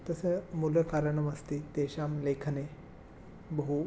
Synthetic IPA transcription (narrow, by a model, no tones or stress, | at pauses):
t̪ɐsemuljɐkaːɾɐɳɐmɐst̪it̪eːʃaːmleːkʰɐne | bɐɦu